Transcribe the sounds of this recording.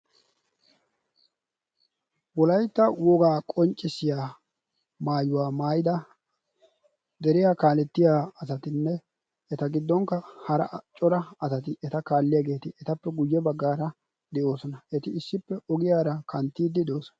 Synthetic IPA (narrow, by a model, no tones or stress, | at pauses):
wɔlɐjt̪ːɐwɔɡaːkʼɔnt͡ʃʼːɪsɪjaː | maːjʊwaːmaːjɪd̪ɐ | d̪ɛɾɪjaːkaːlɛt̪ːɪjaːɐsɐt̪ɪnːɛ | ɛt̪ɐɡɪd̪ːɔŋkːɐhɐɾɐ̰t͡ʃʼɔɾɐɐsɐt̪ɪʔɛt̪ɐkaːlːɪjaːɡe̞ːt̪ɪʔɛt̪ɐpːɛɡʊjːɛbɐɡːaːɾɐ | d̪ɛʔo̞ːsɔnɐɛt̪ɪɪsːɪpːɛʔɔɡɪjaːɾɐkɐnt̪ːiːd̪ːɪd̪ɛoːsɔ̥nɐ